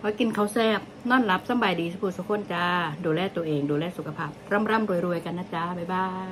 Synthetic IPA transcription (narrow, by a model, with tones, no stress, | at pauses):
kʰɔː˨˦ki˧nkʰa˧˩wsɛː˧˥˩p̚nɔː˥˩˨nla˦˥p̚sa˧˥˩mba˧˩jdiː˧˩sa˧˦pʰuː˧˩su˧˦kʰo˧˥˨nt͡ɕaː˧˥duː˧lɛː˧˥˩t̪u˧əʔeː˧ŋduː˧lɛː˥˩su˨˦kʰːa˧pʰaː˥˩p̚ɾa˦˥˩mɾa˥˨mɾu˧əjɾu˧əjka˧nːaː˧˥˩t͡ɕaː˧ba˧˩jbaː˧˥˩ŋ